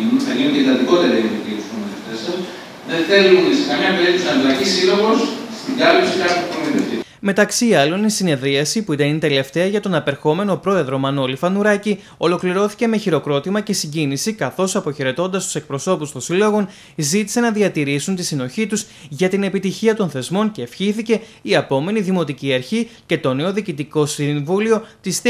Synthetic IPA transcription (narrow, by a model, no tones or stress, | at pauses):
nuθɐʝinund̪et̪ɐt̪iko̞t̪eɾɐip̪it̪it̪uspomoðeft̪es | ðenθe̞lunisikɐnɐpeɾisɐnlɐcisiloɣo̞sst̪iɡɐlipsiɾɐupoeðeft̪i | me̞t̪ɐksiɐlo̞nisine̞ðɾiɐsipuit̪ɐnit̪e̞le̞ft̪e̞ɐʝɐt̪onɐpe̞ɾxo̞me̞no̞pɾo̞e̞ðɾo̞mɐno̞lifɐnuɾɐci | o̞lo̞kliɾo̞θi̥ce̞me̞çiɾo̞kɾo̞t̪imɐce̞siɲɟinisikɐθo̞sɐpo̞çe̞ɾe̞t̪o̞nd̪ɐst̪u̥se̞k̚pɾo̞so̞pust̪onsilo̞ɣo̞n | zit̪i̥se̞nɐðiɐt̪iɾisunt̪isino̞çit̪uz | ʝɐt̪ine̞pit̪içiɐt̪o̞nθe̞zmo̞nce̞ːfçiθice̞ | iɐpo̞me̞niðimo̞t̪iciɐɾçice̞t̪o̞ne̞o̞ðiːcit̪iko̞siɱvulio̞t̪is